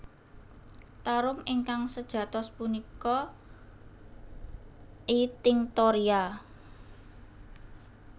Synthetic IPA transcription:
t̪aɾʊmiŋkaŋsəd̥ʒ̥ä̤t̪ɔspunikɔ | it̪ɪŋt̪oɾia

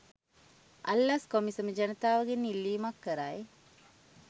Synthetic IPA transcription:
a̰lːaskomisəməd͡ʒɐnət̪aːʋəɡenːilːiːmakːəɾaj

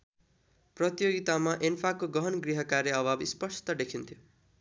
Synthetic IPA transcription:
prʌt̪ijoɡit̪amaʔenpʰakoɡʌɦʌnɡriɦʌkaɾjeʌbʱabispʌsʰt̪ʌd̪ekʰint̪ʰjo

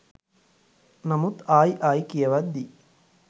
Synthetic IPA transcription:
nɐmut̪aːjʔaːjkijɐʋɐd̪d̪i

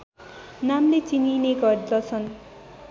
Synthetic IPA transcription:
namlet͡sinineɡʌrdʌt͡sʰʌn

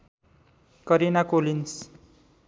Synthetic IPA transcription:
kʌɾenakolins

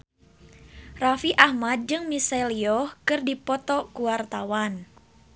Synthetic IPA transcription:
rafiʔahmad̪̚d͡ʒɨŋmisaliɔhkɨrdipɔt̪ɔkuwart̪awan

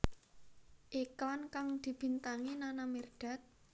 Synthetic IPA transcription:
ʔiklankaŋd̪̥i̤b̥i̤nt̪aŋinanamird̥a̤t̪̚

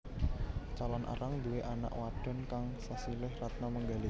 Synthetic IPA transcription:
t͡ʃalɔnʔa̰ɾaŋd̪uweʔana̰ʔwaɖ̥ɔ̤nkaŋsasilɪhrat̪̚naməŋɡali

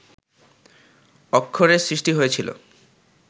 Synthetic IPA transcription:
ɔkʰːoɾesɾiʃʈiɦojet͡ɕʰilo̰

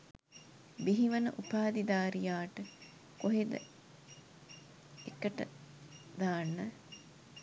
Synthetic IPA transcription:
biɦiʋɐnə̰ʔupaːd̪id̪aːɾijaːʈə | koɦed̪ə̰ | ekəʈə̰d̪aːnːə

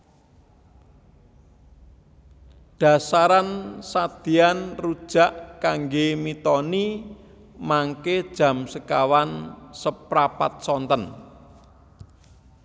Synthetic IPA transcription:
ɖ̥a̤saɾansad̪̥i̤anrud̥ʒ̥a̤ʔkaŋɡemit̪ɔni | maŋked̥ʒ̥ä̤msəkawansəpɾapat̪̚sɔnt̪ən

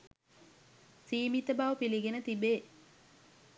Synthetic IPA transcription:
siːmit̪əbaːʋəpiliɡenət̪ibeː

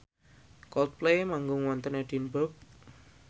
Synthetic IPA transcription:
kɔlt̪̚plejmaŋɡʊŋwɔnt̪əneɖ̥inbɔp̚

